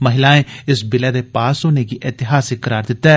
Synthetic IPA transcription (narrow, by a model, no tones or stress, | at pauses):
məɦɪlãːẽːɪsbɪlɛːd̪eːpaːsoːneːɡiːʔeːt̪ɪɦaːsɪkːəɾaːɾd̪ɪt̪ːɛː